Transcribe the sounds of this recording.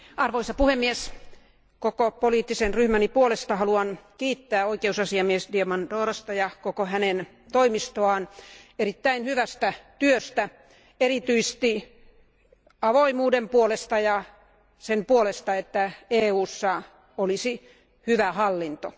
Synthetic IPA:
ʔɑrʋoisɑpuhemːies | kokopoliːt̪ːisenryhmænipuolest̪ɑhɑluɑnkiːt̪ːæːoikeusɑsiɑmiesdiemɑndoːrɑst̪ɑjɑkokohænen | t̪oimist̪oɑːnerit̪ːæinhyʋæst̪æt̪yøst̪æ | erit̪yist̪i | ɑʋoimuːdempuolest̪ɑjɑ | sempuolest̪ɑet̪ːæeːuːsːɑ | olisi | hyʋæhɑlːint̪o̰

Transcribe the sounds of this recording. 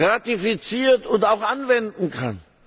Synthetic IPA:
ʁatifit͡siːɐtʊntaʊxʔanvɛndn̩kʰa̰n

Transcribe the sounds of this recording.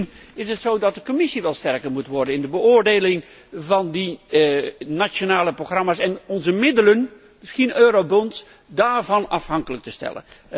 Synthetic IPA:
nɪsətsowdɑt̚dəkomɪsiʋɛlˠstɛɹkəɹmutʋɔɹdənɪndəbəʊːɹdejlɪŋ | vɑndi | nat͡ʃonaːləproχrɑmaːsɛnɔnzəmɪdələn | mɪsxinøːɾowbɔnts | daːɹvɑnɑfɦɑŋkələk̚təstɛ̰lə̰n

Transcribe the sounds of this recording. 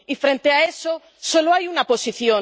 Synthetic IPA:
ifɾe̞nt̪eae̞so | so̞loajunapo̞siθjo̞

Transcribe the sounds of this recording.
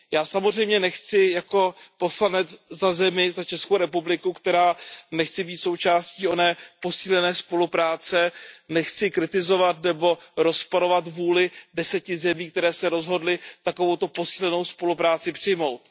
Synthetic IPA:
jaːsamozr̝ɛjmɲɛnɛxt͡sɪjako̞po̞slanɛt͡szazɛmɪzat͡ʃɛskowɾɛpublɪkukt̪ɛɾaːnɛxt͡sɪbiːt̪so̞wt͡ʃaːsciːo̞nɛːpo̞siːlɛnɛːspo̞lupɾaːt͡sɛnɛxt͡sɪkɾɪt̪ɪzo̞vat̪nɛbo̞ɾo̞spoɾo̞vat̪vuːlɪdɛsɛcɪzɛmiːk̚t̪ɛɾɛːsɛɾo̞zɦo̞dlɪt̪akovo̞wt̪o̞po̞si̥ːlɛno̞wspo̞lupɾaːt͡sɪpr̝̥ɪjmo̞wt̪

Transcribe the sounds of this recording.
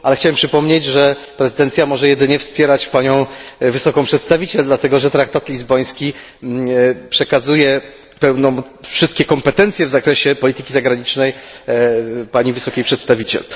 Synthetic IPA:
ʔalɛxt͡ɕawɛmpʂɘpɔmɲed͡ʑʐɛ | pɾɛzɨd̪ɛnt̪sʲjamɔʐɛjɛd̪ɘɲɛfspʲjɛɾat͡ɕpaɲɔ̃w̃vɘsɔkɔ̃w̃pʂɛt̪st̪avʲit͡ɕɛld̪lat̪ɛɡɔʐɛt̪ɾak̚t̪at̪lʲizbɔj̃skʲi | pʂɛkazujɛ | pɛwnɔ̃w̃ | fʂɘst̪kʲɛkɔmpɛt̪ɛnt̪sjɛvzakɾɛɕɛpɔlʲit̪ɘkʲizaɡɾaɲit͡ʂnɛj | paɲivɘsɔkʲejpʂɛt̪st̪avʲit͡ɕɛ̰l

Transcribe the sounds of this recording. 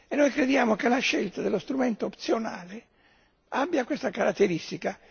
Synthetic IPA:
ɛnːojkɾed̪jaːmokelaʃːɛlt̪ad̪elost̪ɾumɛnt̪oːpt̪sjona̰ːle | abːjakwest̪akaɾat̪ːeɾist̪ika

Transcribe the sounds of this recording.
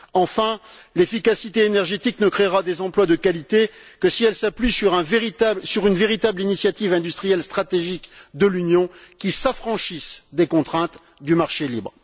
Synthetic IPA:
ɑ̃fɛ̃lefikasit̪eːnɛʁʒet̪iknəkχeʁad̪ezɑ̃plwad̪əkalit̪ekəsiɛlsaplɥisyʁɛ̃veʁit̪asyʁynveʁit̪ablinisjat̪ivɛ̃d̪yst̪χijɛlst̪χat̪eʒikd̪əlynjɔ̃kʲisafχɑ̃ʃisd̪ekɔ̃t̪χɛ̃t̪ | d̪ymaʁʃelibʁ

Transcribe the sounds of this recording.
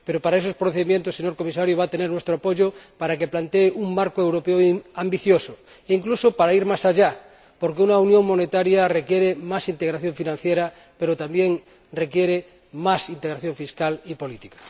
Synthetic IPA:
peɾopaɾaesospɾoθeðimjent̪osːeɲo̞ɾkomis̬aɾjoβ̞at̪eneɾnwest̪ɾoapoʝopaɾakeplant̪eːʔuŋmaɾkoewɾopeoambiθjoso | eiŋklusopaɾaiɾmasaʎa | poɾkeunaunjõ̞ŋmo̞net̪aɾjarekjeɾemasint̪eɣɾaθjoɱfinãn̟θjeɾa | peɾot̪ambjeŋ | rekjeɾe | masint̪eɣɾaθjoɱfiskalipolit̪ikḁ

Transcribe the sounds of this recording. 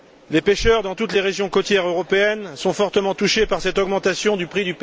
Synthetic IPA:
lepeʃœʁd̪ɑ̃t̪ut̪leʁeʒjɔ̃kot̪jɛʁøʁɔpeɛnsɔ̃fɔʁt̪əmɑ̃t̪uʃepaʁsɛt̪ɔɡmɑ̃t̪asjɔ̃d̪ypχid̪yp

